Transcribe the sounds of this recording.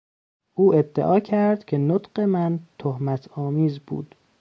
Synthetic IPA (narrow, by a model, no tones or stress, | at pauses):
ʔuːed̪ːeʔɒːcʰæɾd̪̥cʲʰe̞not̪ɢemænt̪ʰohmæt̪ʰɒːmiːzbṵːd̪̥